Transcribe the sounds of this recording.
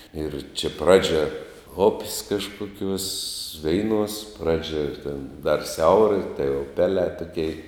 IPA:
ɪr t͡ʃʲɛ ˈprɑːd͡ʒʲɛ ʊpʲsʲ kɐʃkʊˈkʲuɔs ˈʋʲɛɪˌnuɔs ˈprɑːd͡ʒʲɛ tʲɛn dɐr ˈsʲɛʊrɐ tɐɪ ʊˈpʲæːlʲɛː tʊˈkʲɛɪ

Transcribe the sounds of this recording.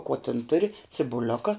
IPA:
koː tʲɪn ˈtʊrʲɪ t͡sʲɪbʊˈlʲoːkɐ

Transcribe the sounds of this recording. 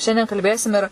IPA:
ˈʃʲɛnʲdʲiɛn kɐlʲˈbʲeːsʲɪm ɪr

